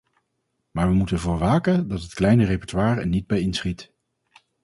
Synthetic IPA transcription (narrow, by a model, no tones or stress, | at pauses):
maːɹʋəmutənvʊːɹʋaːkəndɑtɦətklɛjnərepɔɹtʋaːɹɛ̰ɹnid̚bɛjɪnsχit